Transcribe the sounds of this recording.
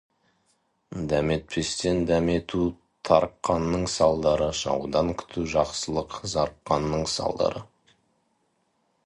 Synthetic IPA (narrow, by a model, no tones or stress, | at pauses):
d̪æme̞t̪̚pʰe̞st̪e̞nd̪æme̞t̪ʰu | t̪ʰɑɾqːɑnːəɴsɑlˠd̪ɑɾəʃɑ̰wd̪ɑŋkʲʰʏ̥t̪ʰuʒɑqsəlˠəqzɑɾqːɑnːəɴsɑ̰lˠd̪ɑ̰ɾə